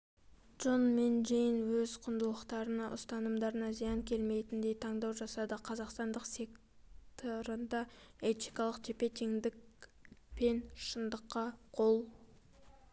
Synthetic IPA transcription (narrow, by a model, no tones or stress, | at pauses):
ʒ̥onmenʒejənwɵzqʰʊnd̪əlˠəqt̪ɑɾənɑʔʊ̰st̪ɑnəmd̪ɑɾənɑzijɑŋkʲʰe̞lme̞jt̪ɪnd̪e̞jt̪ʰɑŋd̪ɑwʒɑsɑd̪əqʰɑzɑqst̪ɑnd̪əqse̞k | tt̪ʰoɾənd̪ɑ | et̪ijkɑlˠəqt̪ʰepet̪ʲiŋd̪ɪk | pʰe̞nʃənd̪əqːɑqʰo̞lˠ